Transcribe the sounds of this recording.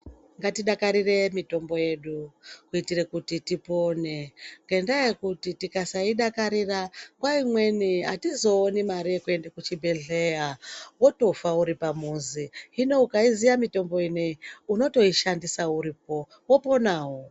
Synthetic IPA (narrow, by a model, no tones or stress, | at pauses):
ŋɡatiɗakaɾire̞mito̞mbo̞je̞ɗukuitirekutitipo̞ːne̞ŋɡendajekutitikasaiɗakaɾiraŋkwaimwe̞niatizo̞ːnimaɾiekue̞ndekut͡ʃibʱe̞ɮe̞jawoto̞fauɾipamuziine̞ukaizijamito̞mbo̞ineuno̞to̞iʃandisauɾip̚o̞ | wopo̞naːwo